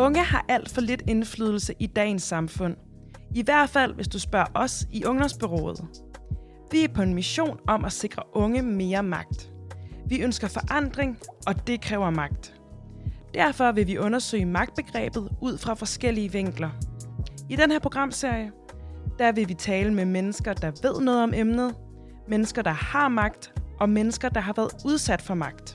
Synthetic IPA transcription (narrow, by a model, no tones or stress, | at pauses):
ɔ̽ŋəhɑ̈ʔæl̰d̥fɒ̽le̝d̥e̝nflyːð̞ˠl̩səʔid̥ɛ̰ːnsːɑ̈mfɔ̽n̰ | iʋæɐ̰d̥fæl̰ʋe̝sd̥usb̥ɶɐʔɒ̽siʔɔ̽ŋd̥ɒ̽msb̥e̝ʁo̰ːð̞̩ˠ | ʋiæɐpʰɒ̽e̝nmiɕo̝̰ːnɒ̽mʔæse̝ɡ̥ʁɐʔɔ̽ŋəme̝ːɐmɑ̈ɡ̥̚d̥ʋiønsɡ̥ɐfɒ̽ʔɑ̈n̰d̥ʁeŋɒ̽d̥e̝kʰʁɛːʊɐmɑ̈ɡ̥̚d̥ | d̥æɐ̰fɒ̽ʋe̝ʋiʔɔ̽nɐsø̰ɪ̰əmɑ̈ɡ̥̚d̥̚b̥e̝ɡ̥ʁɛ̰ːb̥ð̞̩ˠuð̞̰ˠfʁɑ̈fɒ̽sɡ̥el̰iəʋeŋ̰ɡ̥lɐ | id̥enheɐpʰo̝ɡ̥ʁɑ̈m̰se̝ɐ̰jə | d̥ɑ̈ʋe̝ʋit͡sʰɛːləmemenəsɡ̥ɐd̥ɑ̈ʋe̝ð̞̰ˠnɔ̽ːð̩ˠɒ̽memnð̞̩ˠ | menəsɡ̥ɐd̥ɑ̈hɑ̈mɑ̈ɡ̥̚d̥ʔɒ̽menəsɡ̥ɐd̥ɑ̈ɦɑ̈ʋæːɐð̩ˠuð̞ˠsæd̥fɒ̽mɑ̈ɡ̥d̥